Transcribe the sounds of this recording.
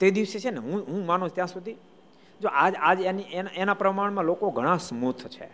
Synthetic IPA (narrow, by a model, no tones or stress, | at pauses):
t̪ed̪iʋset͡ʃʰeneɦũɦũmanũt͡ʃʰt̪jãsud̪ʱi | d͡ʒoʔad͡ʒad͡ʒenienaʔenapɾəmaɳ̃mãlokoɡʱəɽ̃ãsmut̪ʰt͡ʃʰḛ